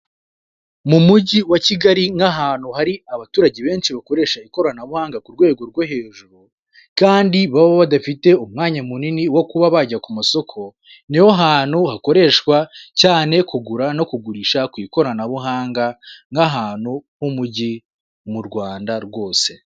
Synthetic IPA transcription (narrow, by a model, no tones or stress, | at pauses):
mumuɟiwaciɡaɾiŋɡaɦaːn̥huhaɾiaβatuːɾaɟeβe̞ːnʃiβako̞ɾe̞ːʃaiko̞ɾanaβuhaːŋɡakuɾɡwe̞ːɡo̞ɾɡwoɦe̞ːʒuɾu | kaːndiβaβoβadafite̞umŋaːɲamuniniwo̞kuβaβaɟakumaso̞kʰo̞ | niwo̞ɦaːn̥huhako̞ɾe̞ʃkwacaːne̞kuɡuɾano̞kuɡuɾiːʃakwiːko̞ɾanaβuɦaːŋɡaŋɡaɦaːnhuhumuɟi | muɾɡwaːndaɾɡo̞ːse̞